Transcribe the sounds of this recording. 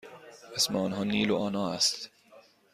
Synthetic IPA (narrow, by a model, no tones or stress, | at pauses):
esmeɔːnɦɒːniːloʔɒːnɒːæst̪